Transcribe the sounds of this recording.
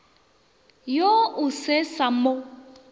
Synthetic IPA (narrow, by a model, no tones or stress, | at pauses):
joʊsesamo